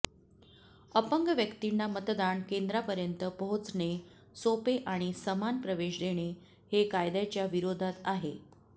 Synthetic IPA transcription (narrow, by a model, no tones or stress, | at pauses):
əpəŋɡəʋjəkt̪inːamət̪d̪aɳkend̪ɾapəɾjənt̪əpəɦot͡sɳe | sopeʔaɽ̃isəmanpɾəʋeɕd̪eɽ̃e | hekajd̪at͡ɕjaʋiɾod̪ʱat̪aɦe